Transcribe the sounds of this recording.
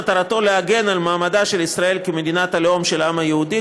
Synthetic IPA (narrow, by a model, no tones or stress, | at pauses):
t̪aɾat̪o̞leaɡe̞nalmaːmadaʃe̞lisʁae̞lkime̞d̪inat̪alomʃe̞lamhajehudi